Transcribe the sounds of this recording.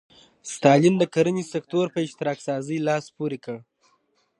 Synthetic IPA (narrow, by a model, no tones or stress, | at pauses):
st̪ɑlɪnd̪əkaɾənisekt̪oɾpəɪʃt̪ɪɾɑksɑzəjlɑspoɾekəɽ